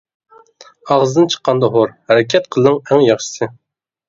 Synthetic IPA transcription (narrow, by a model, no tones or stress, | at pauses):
ɑʁzɨd̪ɨnt͡ʃʰə̥qʰːɑnd̪ɑɦoɾhæɾɪkʲʰɛt̪̚qʰəlˠnɨŋæŋjɑχʃɨ̥sɨ